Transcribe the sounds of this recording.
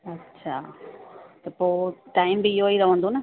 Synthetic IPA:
ɐtːʃʰaː | t̪ɐpoːʈaːɪmbiɪɦoiɾɐʋə̃nd̪onɐ

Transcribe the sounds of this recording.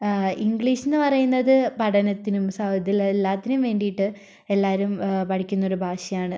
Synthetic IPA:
iŋɡɭiːɕinːɨpɐrɐjunːɐðɨpɐɽɐnɐt̪ːinumsɐwd̪ilelːaːt̪ːinumʋe̞ːɳɖijiʈːɨ | e̞lːaːɾumpɐʈʰikʲːunːo̞ɾubʱaːɕɐjaːɳɨ

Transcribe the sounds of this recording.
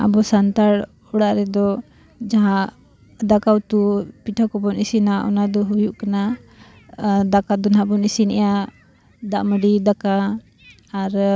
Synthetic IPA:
a̰bɔsant̪aɽ | ɔɽaʔɾɛd̪ɔ | d͡ʒaɦã | d̪akawt̪upiʈʰakɔbɔnisinaʔɔ̰nad̪ɔɦujuʔkana | d̪akad̪ɔnɦãbɔnisinɛ̰ja | d̪aʔməɖid̪akaː | ɾ

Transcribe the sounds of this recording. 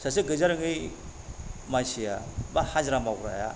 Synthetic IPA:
sasɯɡɯzaɾɯŋɯj | majsija̰bahazɾamawɡɾa̰ja̰

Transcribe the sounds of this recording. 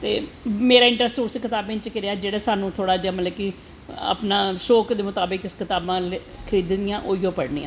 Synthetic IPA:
t̪ḛːmeːɾaːɪ̃ɳʈɾəsʈuːskɪt̪aːbʋɪ̃ɲt͡ʃkɪɾeaːd͡ʒeːɽaːsaːnũːt̪ʰoːɽaːd͡ʒaːmət̪ləbki | a̰ːpnãːʃoːkd̪eːmʊt̪aːbɪkɪskɪt̪aːbãːle | kʰəɾiːd̪nɪjãːʔo̰ːiõːpəɽniːã̰ː

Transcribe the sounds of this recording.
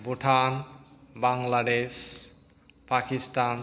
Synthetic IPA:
boʈʰanbaŋlaɖeʃ | pakisʈan

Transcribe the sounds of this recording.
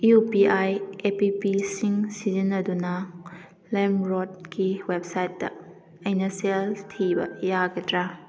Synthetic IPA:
upiajepipisiŋsizinɐdunɐ | lemɾod̚kiweb̚sajtːɐ̰ | ɐjnɐseltʰibɐ̰jaɡɐdɾa

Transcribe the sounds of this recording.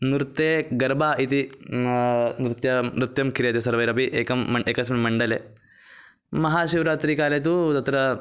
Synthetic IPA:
nɾt̪ːeːɡɐɾbʱaːit̪i | nɾɨt̪jɐɾut̪jɐmkiɾjɐt̪esɐɾʋɐjɾɐpiʔeːkɐmːɐeːkɐsmɐmɐɳɖɐleː | mɐɦaːʃiʋɾaːt̪ɾikaːlet̪̬ut̪ɐt̪ɾɐ

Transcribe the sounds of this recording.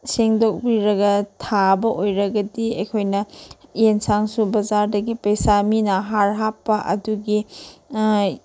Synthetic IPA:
seŋdok̚biɾɐɡɐtʰabɐʔojɾɐɡɐdiɐ̰jkʰojnɐjensaŋsubɐzaɾdɐɡipɐjsaminɐɦaɾɦapːɐʔɐ̰duɡi

